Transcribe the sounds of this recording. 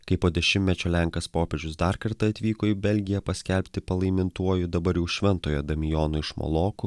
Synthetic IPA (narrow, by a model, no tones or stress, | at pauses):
kɐɪpoːd̪ʲɛʃʲɪmʲɛt͡ʃʲoːlʲæŋkɐspoːpʲɛʒʲd͡ʒʲʊsd̪ɐɾkɐɾt̪ɐɐt̪ʲʋʲiːkoːɪbʲɛlʲɡʲɪjɛpɐsʲkʲɛlʲpʲt̪ʲɪpɐlˠɐɪmʲɪnt̪uɔjʊd̪ɐbɐɾjɛʊʃʲʋʲɛnˑt̪oːjod̪ɐmʲɪjoːnʊɪʃmo̰lˠoːkʊ